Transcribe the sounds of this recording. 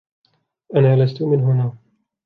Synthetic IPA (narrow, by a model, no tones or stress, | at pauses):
ʔanaːlast̪ʊmɪnɦʊnaː